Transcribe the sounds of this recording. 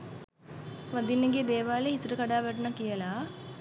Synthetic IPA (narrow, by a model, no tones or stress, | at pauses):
ʋɐd̪ilːeŋɡed̪eːʋaːleisɾɯkɐɽaːʋɐʈɐnɐkijɐlaː